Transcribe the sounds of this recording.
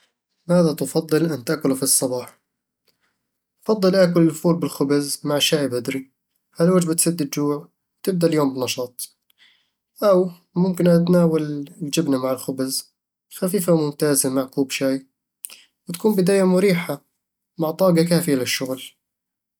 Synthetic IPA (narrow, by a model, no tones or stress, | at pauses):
maːðat̪ʊfɑd̪ˤːɨlʔant̪aʔkʊlufisˤːɑbɑːħ | fɑd̪ˤːɨlʔaːkʊlɪlfuːlbɪlxʊbɪzmaʕʃaːjbad̪ɾi | halwad͡ʒbɪt̪sad̪ːɪd̪̚d͡ʒuːʕ | t̪ɪb̚d̪aljoːmbɪnɑʃɑːt̪ˤ | ʔaw | mʊmkɪnʔat̪naːwalɪld͡ʒɪbnamaʕɪlxʊbɪz | xafiːfamʊmt̪aːzamaʕkuːbʃaːj | wɪt̪kuːmbɪd̪aːjamʊɾiːħa | maʕt̪ˤɑːɡakaːfɪjalɪʃːʊɣl